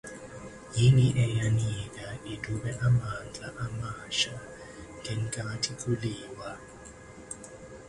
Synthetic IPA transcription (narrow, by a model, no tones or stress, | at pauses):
jiniʔɛjanikaidʱuɓɛʔamand͡ɮʱʼaʔamaʃa | ŋʱɛŋkʼaatʰikʰʼuliːwa